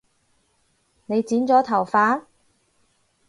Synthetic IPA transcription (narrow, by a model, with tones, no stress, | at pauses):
ne˨˧jt͡siː˨˥nt͡sɔː˨˥t̪ʰɐ˨˩wfaː˨˥n